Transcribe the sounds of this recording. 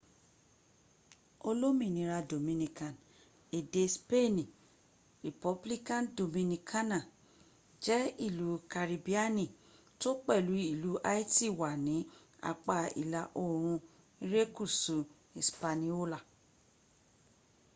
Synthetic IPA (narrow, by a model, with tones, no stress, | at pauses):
o˧lo˦mĩ˦˨nĩ˨˦ɾa˧do˨mĩ˧nĩ˧kã˨n | e˨de˧˦spe˦˨nĩ˨ | ɾi˨pɔ˧bli˦kã˦˨ndo˨mĩ˧nĩ˧kʰa˦nã˨ | d͡ʒɛ˦i˦˨lu˨˦ka˨ɾi˧bi˦a˦nĩ˦˨ | to˦k͡pɛ˦˨lu˨˦i˦˨lu˨˦ʔa˦i˦ti˦˨wa˨nĩ˨˦ | a̰˨k͡pa˨ḭ˨la˨˦ʔo˦˨ɾ̃ũ˧ | i˦ɾe˦ku˦˨su˨ | i˨spa˧nĩ˧o˦la˦˨